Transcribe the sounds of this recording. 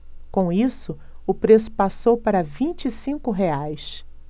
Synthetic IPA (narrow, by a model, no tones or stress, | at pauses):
kõw̃isʊ | ʊpɾes̬ʊ̥pasowpaɾɐvĩnt͡ʃisĩŋkʊɦeajs